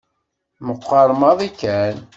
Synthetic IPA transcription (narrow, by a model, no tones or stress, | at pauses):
məqʷːɑɾˤmɑðˤikːæn